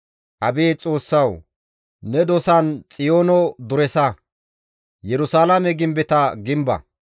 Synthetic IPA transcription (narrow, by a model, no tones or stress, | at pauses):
ʔɐbeːt͡sʼo̞ːsːɐw | nɛd̪ɔsɐnt͡sʼɪjoːnɔd̪ʊɾɛsɐ | jɛɾʊsaːlamɛɡɪmbɛt̪ɐɡɪmbɐ̰